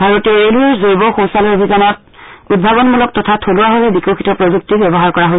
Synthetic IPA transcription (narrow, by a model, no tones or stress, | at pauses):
bʱaɹɔtɛeluɛzojbɔxowsalɔobʱizanɔt | ud̚bʱabɔnmulɔk̚tɔtʰatʰoluwaɦojɦɛbikoxitɔpɹozuk̚tibɛbɔɦaɹkɔɹaɦo